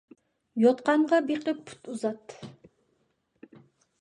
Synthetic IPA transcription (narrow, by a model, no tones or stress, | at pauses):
jot̪qɑɴʁɑbiqɨpːʰu̥t̪uzɑt̪ː